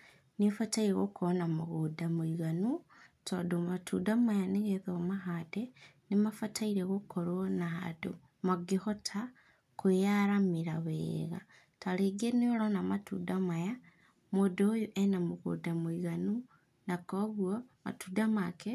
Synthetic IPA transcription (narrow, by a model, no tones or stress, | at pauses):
nifataiɾeɣokuonamuɣudamwiɣanu | todomatṵdamajaniɣeðeɣomaxad̥enimafataiɾeɣokʰoɾonaa̰do̰ | maɡixotʰa | kujaɾamiɾaβeɣa | taliɡeniolonamatṵdamaja | modojuʔenamuɣṵdamwiɣanu | nakoβwoma̰tudamake